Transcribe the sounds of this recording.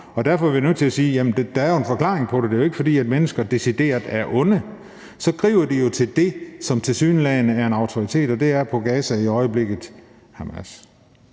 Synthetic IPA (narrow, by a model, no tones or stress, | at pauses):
ɒ̽d̥æɐfɒ̽ɐʋiinø̰t͡sʰe̝læsiːjæmn̩d̥ed̥æ̈æɐjo̝enfɒ̽kʰlɑ̰̈ːʁeŋpʰɒ̽d̥ed̥e̝joe̝ɡ̥əfɒ̽d̥ḭːæd̥menəsɡ̥ɐd̥e̝sid̥e̝̰ːɐðˠæɐʔɔ̽nə | sɒ̽ɡ̥ʁḭʊɐd̥ijo̝t͡sʰe̝ld̥e̝sɒ̽mt͡sʰe̝lsyːnlɛɪnəæɐe̝nɑ̈ʊt͡sʰoit͡sʰe̝̰ːd̥ɒ̽d̥e̝æɐpʰɒ̽ɡ̥ɛːsæiɒ̽ɪəb̥le̝ɡ̥ð̩ˠ | hɑmæs